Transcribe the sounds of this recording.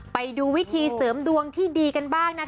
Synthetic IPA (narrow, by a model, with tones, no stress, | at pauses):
pa˧jduː˧wi˦˥t̪ʰiː˧sɤː˩˦mdu˧əŋt̪ʰiː˥˩diː˧ka˧nbaː˥˩ŋna˦˥